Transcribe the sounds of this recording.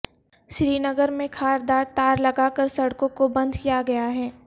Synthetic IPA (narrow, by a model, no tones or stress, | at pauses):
ʃɾiːnɐɡəɾmẽkʰaːɾd̪aːɾt̪aːɾlɐɡaːkəɾsɐɽkõkobɐ̃nd̪kijaɡɐjaɦɛː